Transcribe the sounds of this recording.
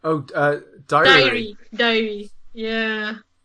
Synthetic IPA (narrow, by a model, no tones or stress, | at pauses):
oʊʌd̥aɪɪɹidaɪɹijæ